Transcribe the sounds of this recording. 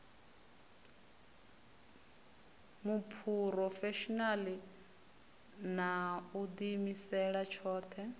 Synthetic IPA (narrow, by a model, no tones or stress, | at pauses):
mupʰuɾɔfɛʃɔnali | naud̪imisɛɺat͡ʃʰɔːt̪ʰɛ